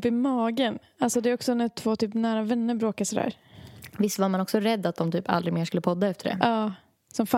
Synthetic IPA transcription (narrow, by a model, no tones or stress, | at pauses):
pːɪmɑːɡən | alsɔd̪ɛːɾɔksɔnæt̪ʰv̥oːt̪ʰyːpnæːɾavɛnːəɾbɾoːkasɔd̪æ̰ːɾ | vɪstːvaɾmanɔksɔɾɛd̪ːat̪̚d̪ɔmt̪ʰyːpa̰ld̪ɾɪɡmeːʂkɵlːəpʰɔd̪ːaɛft̪əɖɛ̰ʔɑː | sɔmfa